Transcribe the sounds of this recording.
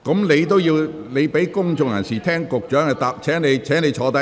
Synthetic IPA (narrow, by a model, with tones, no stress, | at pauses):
kɔ˨˥mle˨˧jt̪o˥wjiː˧w | le˨˧jpe˨˥jkʊ˥ŋt͡ʃʊ˨˧ŋjɐ̰˨˩nsiː˨˩t̪ʰɛː˥ŋkʊ˨k̚t͡ʃœː˨˥ŋɐ˨˩t̪aː˨p̚t͡ʃʰɛː˨˥ŋne˨˧jt͡ʃʰɛː˨˥ne˨˧jt͡ʃʰɔː˨˧t̪ɐ˦˥